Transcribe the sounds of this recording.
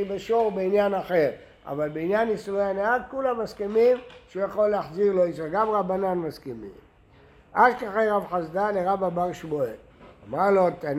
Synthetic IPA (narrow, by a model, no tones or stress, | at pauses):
ibeʃoʁbeinjanaχe̞ʁ | a̰valbeinjanːisuloanead̚kulamaskemimʃujaχolːeaħziʁlo̞isaɡamʁabananmaskemḭm | ʔadkaχeʁavħazd̪aleʁababaʁʃboe | amaʁlot̪a